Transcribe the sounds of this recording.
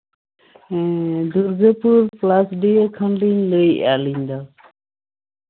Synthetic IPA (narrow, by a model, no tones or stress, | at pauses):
d̪uɾɡəpuɾplasɖijəkʰəɳliɲləja̰liɲd̪ɔ